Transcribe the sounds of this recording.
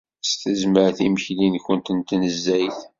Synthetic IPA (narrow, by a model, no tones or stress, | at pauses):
st̪əzməɾθiməçlinçənt̪ənt̪nəzːæjθ